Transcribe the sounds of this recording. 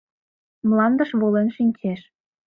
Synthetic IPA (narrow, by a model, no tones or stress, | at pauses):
mlɑnd̪ə̆ʃβolenʃinʲt͡ɕeʃ